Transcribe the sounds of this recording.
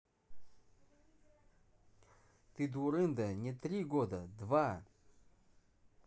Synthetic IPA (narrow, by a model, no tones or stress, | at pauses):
t̪ɨd̪ʊɾɨnd̪ənʲɛt̪ɾʲiɡod̪əd̪va